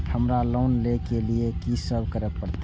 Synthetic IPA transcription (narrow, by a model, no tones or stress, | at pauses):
həmɾalonlekeliekisəbʱkəɾəpəɾt̪